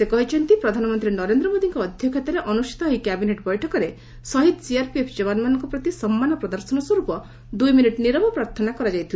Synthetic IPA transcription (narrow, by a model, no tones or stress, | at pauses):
sekɔɦit͡ʃʰɔnt̪ipɾɔd̪ʱanɔmɔnt̪ɾinɔɾend̪ɾɔmod̪iŋkɔːd̪ʱjɔkʰet̪ɔɾeʔɔnusi̥t̪ɔɦɔikjabineʈbɔjʈʰɔkɔɾe | sɔɦit̪siaɾpiepʰd͡ʒeβanmanɔŋkɔpɾɔt̪isɔmːanɔpɾɔd̪ɔɾsɔnɔswɔɾupɔ | d̪ujminiʈniɾɔbɔpɾaɾt̪ʰɔnakɔɾad͡ʒajt̪ʰil